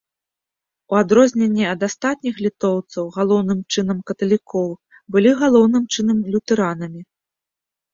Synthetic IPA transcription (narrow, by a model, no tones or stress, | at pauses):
uad̪ɾɔzʲnʲenʲːɛɐd̪ast̪at̪̚ʲnʲixlʲit̪ɔwt̪sɐwɣalˠɔwnɨmt͡ʂɨnɐmkɐt̪ɐlʲikʰɔw | bɨlʲiɣalˠɔwnɨmt͡ʂɨnɐmlʲut̪ɛɾanɐmʲi